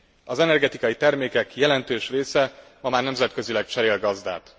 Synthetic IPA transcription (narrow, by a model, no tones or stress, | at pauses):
ɒzɛnɛrɡɛt̪ikɒjit̪ɛrmeːkɛkjɛlɛnt̪øːʃreːsɛmɒmaːrnɛmzɛt̪̚kø̞zilɛk̚t͡ʃɛɾeːlɡɒzd̪a̰ːt̪